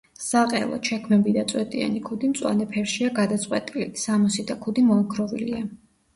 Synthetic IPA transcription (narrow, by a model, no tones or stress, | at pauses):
saqʼɛ̰lˠɔ̰t͡ʃʰɛkʰmɛbid̪at̪sʼwɛt̪ʼia̰nikʰud̪imt̪sʼwa̰nɛpʰɛɾʃiaɡad̪at̪sʼqʼwɛt̪ʼilisamɔsid̪akʰud̪imɔaɡʰɾɔvḭlia